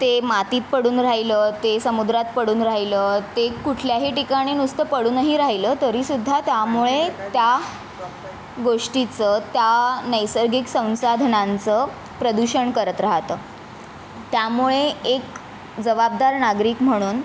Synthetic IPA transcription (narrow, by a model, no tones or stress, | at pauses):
t̪emat̪iːt̪̚pəɽuːnɾaɦilət̪esəmud̪ɾat̪̚pəɽuːnɾaɦilət̪ekuʈʰljaɦiːʈikaɽ̃inust̪əpəɽuːnəɦiːɾaɦiləːt̪əɾiːsud̪ʱːat̪jamuɭet̪ja | ɡoʂʈit͡sət̪janəjsəɾɡiksə̃w̃sad̪ʱnant͡sə | pɾəd̪uɕəɳkəɾət̪ɾaɦt̪əː | t̪jamuɭeek | d͡zəʋab̚d̪aɾnaɡɾiːkm̤əɽ̃uːn